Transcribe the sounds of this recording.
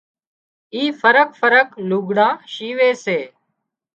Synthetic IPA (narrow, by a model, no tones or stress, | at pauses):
iːfəɾəkfəɾəkluːɡɽãːʃiːʋeːseː